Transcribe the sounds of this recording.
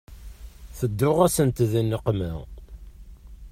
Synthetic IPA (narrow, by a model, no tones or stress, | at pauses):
θəd̪ːʊʁæsənt̪ðinːəqmæ